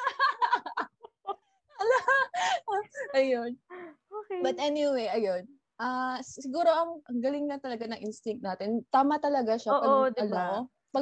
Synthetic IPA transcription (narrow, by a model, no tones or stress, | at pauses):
ɐlɐ | ʔɐjonobɐt̪ʔɛnɪwejʔɐjon | ʔɐsɪɡuːɾo̞ʔɐŋʔɐŋɡɐlɪŋnɐt̪ɐlɐɡanɐŋʔɪnst̪ɪŋk̚t̪naːt̪ɪnt̪aːmɐt̪ɐlɐɡaʃaoːʔɐoɐlno | pɐ